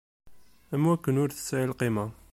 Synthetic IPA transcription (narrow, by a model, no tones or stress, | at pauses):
æmwækːənʊɾθə̥sːæʕəlqima